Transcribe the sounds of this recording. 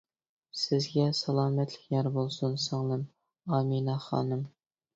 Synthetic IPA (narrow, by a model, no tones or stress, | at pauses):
sɪzɡʲɛsɑlˠɑːmɛt̪lɪkʲjʲɑɾbolˠsunsoŋnɨm | ɑminɑχɑ̰ːnɨm